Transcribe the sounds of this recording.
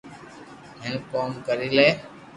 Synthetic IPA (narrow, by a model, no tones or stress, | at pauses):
ɦɪnkoːmkəɾiːleː